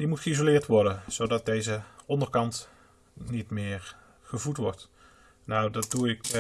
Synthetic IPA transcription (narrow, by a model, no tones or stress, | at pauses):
dimutχəizolɪːɹtʋɔɹdənz̥owdɑt̚dejzəʔɔndəɹkɑnt | nitmɪːɹ | χəvutʋɔɹt | nawdɑt̚duɪk